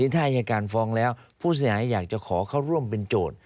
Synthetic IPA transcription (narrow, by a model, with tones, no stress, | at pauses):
iː˧˦t̪ʰaː˥˩ʔa˧jaː˧kaː˧nfɔː˧˥ŋlɛː˦˥wpʰuː˥˩s̬i˦haː˩˦jːaː˨˩k̚t͡ɕa˨˩kʰɔː˩˦kʰaː˥˩wɾu˥˩əmpe˧nt͡ɕoː˨˩t̪̚